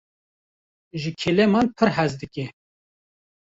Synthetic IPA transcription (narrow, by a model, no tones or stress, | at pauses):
ʒɨkʰelɛmɑnpʰɨɾɦɛzd̪ɨkɛ